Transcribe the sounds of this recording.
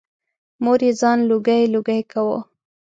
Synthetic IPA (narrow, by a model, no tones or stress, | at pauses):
moɾezɑnluɡajluɡajkawo